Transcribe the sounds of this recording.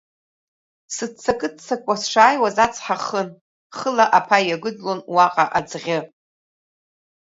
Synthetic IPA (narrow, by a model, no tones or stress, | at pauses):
sɨt͡sʰakʼɨd̚t͡sʰːakʷʼasʂaːjwazat͡sʰħaχən | χəlaʔapʰajaɡʷʊd͡zlonwaqʼaʔad͡zʁʲɪ